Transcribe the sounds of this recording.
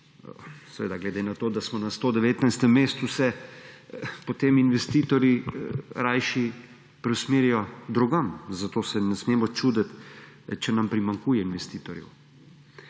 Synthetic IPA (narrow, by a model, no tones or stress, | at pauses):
sɛʋḛːd̪aɡlɛd̪enat̪oːd̪asmɔnast̪oːd̪ɛʋeːt̪najst̪ɛmːeːst̪usɛ | pɔt̪eːminʋɛst̪iːt̪ɔɾjiɾajʃi | pɾɛwsmeːɾijɔd̪ɾuɡamzat̪oːsɛnɛsmeːmɔt͡ʃuːd̪ət̪ | t͡ʃɛnampɾimaŋkuːjɛinʋɛst̪iːt̪ɔɾjɛ̰w